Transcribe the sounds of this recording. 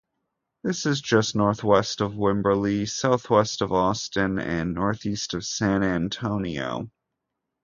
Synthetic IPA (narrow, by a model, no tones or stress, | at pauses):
ðɪsɨzd͡ʒʌsnɔɹθwɛstʌvwɪ̃mbə˞lisaʊθwɛstʌvɔstɨ̃nɨ̰̃nːɔɹθistʌv̥sæ̃næ̃ntʰõʊ̃nio̰ʊ